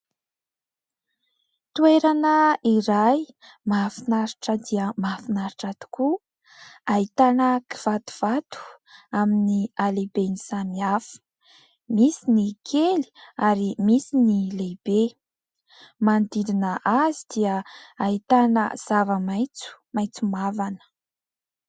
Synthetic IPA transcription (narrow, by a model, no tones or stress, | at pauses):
t̪ueɾanəiɾaj | mafinaɾiʈ͡ʂəd̪iəmafinaɾiʈ͡ʂad̪u̥ku | ait̪anəki̥v̥at̪u̥v̥at̪u̥ | aminialebenisamiafə̥ | misinikʰeli̥aɾimisinileb̥e | mand̪iɾinəʔazid̪̥iəait̪anə̰z̥avəmajt͡su̥majt͡sumavanə̥